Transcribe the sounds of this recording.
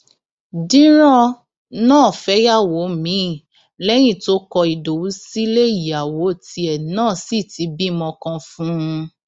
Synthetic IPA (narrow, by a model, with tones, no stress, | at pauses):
dĩ˦ɾ̃ɔ̃˦ | nãː˦˨fɛ˨˦ja˦˨wo˨˦mĩ˨˦˨ | lɛ˦j̃ĩ˦˨to˦kɔ˧i˨do˨wu˨˦si˦le˦i˨ja˨wo˨˦˨ti˧˦ɛ˨nãː˦˨si˦˨ti˨˦bi˦mɔ̃˧kã˧fũ˦˧